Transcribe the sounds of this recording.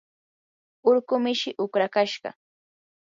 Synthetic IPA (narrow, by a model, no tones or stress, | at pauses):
ʊɾkʊmɪʃɪʔʊkɾakaʃɢɑ̰